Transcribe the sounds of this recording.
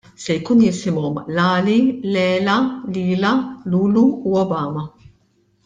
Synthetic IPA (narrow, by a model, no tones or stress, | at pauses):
sɛjkuːnjɪsɪmɔmlɐːlilɛːlɐliːlɐluːluːɔbɐːmɐ